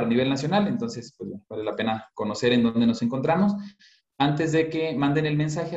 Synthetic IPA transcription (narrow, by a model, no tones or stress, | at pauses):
ɾaniβ̞e̞lnasjonale̞nt̪o̞nse̞spwezbwenoβalelape̞nako̞no̞se̞ɾe̞nd̪ond̪e̞no̞se̞ŋko̞nt̪ɾamo̞s | ant̪e̞zðe̞kemãnd̪e̞ne̞lme̞ns̬axe